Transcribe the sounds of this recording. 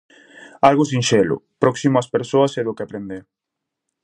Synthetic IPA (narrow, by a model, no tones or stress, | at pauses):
alɣʊs̬inʃelʊ̰pɾɔksimʊaspeɾsoɐseðʊkeapɾend̪eɾ